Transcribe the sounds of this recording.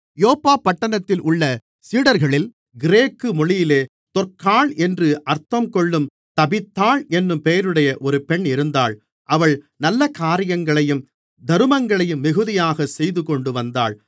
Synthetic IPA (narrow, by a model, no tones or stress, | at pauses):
joːpːaːpːɐʈːɐnɐt̪ːɪlʔʊɭːɐ | siːɽɐɾɣɐɭɪl | ɡɪɾeːkːɯmɔɭɪjɪleː | t̪ɔrkaːɭɛndrɯʔɐɾt̪ːɐmkɔɭːɯm | t̪ɐbɪt̪ːaːɭɛnːɯmpɛjɐɾɯɽɐjɐʔɔɾɯpɛɳɪɾɯnd̪aːɭ | ʔɐʋɐɭ | nɐlːɐkaːɾɪjɐŋɡɐɭɐjɯm | d̪ɐɾɯmɐŋɡɐɭɐjɯmːɪɣɯðɪjaːɣɐsɛjðɯkɔɳɖɯʋɐnd̪a̰ːɭ